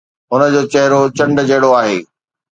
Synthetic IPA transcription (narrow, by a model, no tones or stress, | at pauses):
ʊnə̆d͡ʑoːt͡ɕɐɦɪɾot͡ɕɐ̃ɳɖd͡ʑɐɦɪɽoaːɦḛː